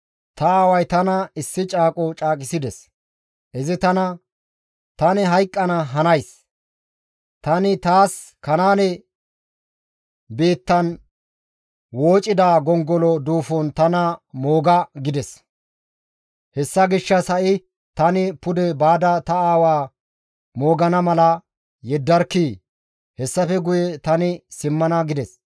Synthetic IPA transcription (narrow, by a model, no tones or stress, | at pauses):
t̪ɐaːwɐjt̪ɐnɐɪsːɪt͡ʃʼaːkʼɔt͡ʃʼaːkʼɪsɪd̪ɛs | ʔɛzɪt̪ɐnɐ | t̪ɐnɛɦɐjkʼːɐnɐɦɐnɐjs | t̪ɐnɪt̪aːs | kɐnaːnɛ | biːt̪ːɐn | wo̞ːt͡ʃʼːɪd̪aːɡɔŋɡɔlɔd̪uːfɔnt̪ɐnɐmoːɡɐɡɪd̪ɛs | hɛsːɐɡɪʃːɐsɐʔɪ | t̪ɐnɪpʊd̪ɛbaːd̪ɐt̪ɐaːwaː | mo̞ːɡɐnɐmɐlɐ | jɛd̪ːɐɾkːiː | hɛsːɐfɛɡʊjɛt̪ɐnɪsɪmːɐnɐɡɪd̪ɛs